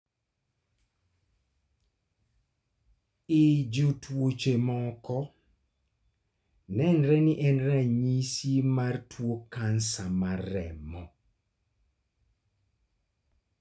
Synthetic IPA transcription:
ɪd͡ʒotwot͡ʃemɔkɔ | nɛnɾɛniʔɛnɾaɲisimartwokansamarɛ̰mɔ

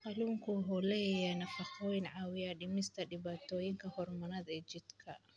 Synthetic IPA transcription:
qɑluːŋkʰʊɦɔlɛjɛnɐfɑqɔjnʕɑːwɪjadɪmɪst̪ʰɐɖɪβaːt̪ʰɔːjɪŋkʰɐhɔrmɐnɐðɛːt͡ʃɪd̪kʰɐ

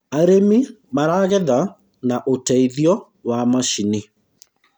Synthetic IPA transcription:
aɾemimaɾaɣɛða | naʔotɛiðjɔ | wamaʃini

